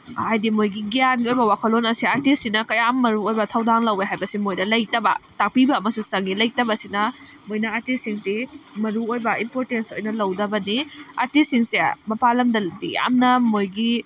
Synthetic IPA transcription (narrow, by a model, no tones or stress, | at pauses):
hajdimojɡiɡijanɡiojbɐwakʰɐlːonɐsiaɾtissinɐkɐjamːɐɾuojbɐtʰɐwdaŋlɐweɦajbɐsimojdɐlɐjtɐbɐ̰tak̚pibɐːmɐsusɐŋɡilɐjtɐbɐsinɐ | mojnɐaɾtisiŋsimɐɾuojbɐimpoɾtenso̰jnɐlɐwdɐbɐniaɾtissiŋsemɐpalɐmdɐldḭa̰mnɐmojɡi